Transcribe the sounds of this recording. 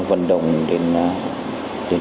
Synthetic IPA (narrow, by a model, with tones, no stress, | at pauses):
ŋvə̰˧˨nɗə̰˨wŋ͡mɗe˧n | ɗe˧n